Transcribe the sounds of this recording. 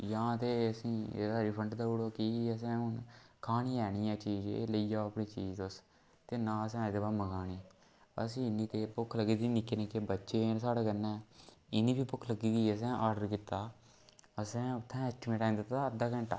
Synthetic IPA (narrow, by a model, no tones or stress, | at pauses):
jãːt̪eːəsḭ̃ːsaːɾiːpʰəɳʈd̪aːuːɽoːkiəs̬ɛ̃ːʊnkʰaːniːɛːɽ̃iːɛ̃ːt͡ʃiːd͡ʒḛːləiːaːəpɳĩːt͡ʃiːzʊs | t̪eːnãːəs̬ɛ̃ːĩd̪eːbaːməɡaːniː | ə̰sĩːɪnːiːt̪eːpʊkʰːləɡiːd̪iːnɪkːeːnɪkeːbətːʃeːsaːɽeːkənːɛ̃ːɪniːbiːpʊkʰləɡiːɡ̪iːəs̬ɛ̃ːʔaːɾɖəɾkɪt̪ːaː | əsɛ̃ːʊt̪ʰːɛ̃ːɛːsʈɪmẽːʈãːnd̪ɪt̪ːaəd̪aːkə̃ɳʈa̰ː